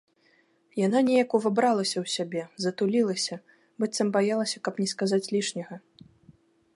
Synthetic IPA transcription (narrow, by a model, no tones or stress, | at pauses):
jan̪anʲɛjɐkuvabɾalˠɐsʲɐwsʲabʲɛzɐt̪ulʲilˠɐsʲɐ | bɨt̪sɐmbajalˠɐsʲɐkɐpnʲɛskazat͡sʲlʲiʂnʲɐɣɐ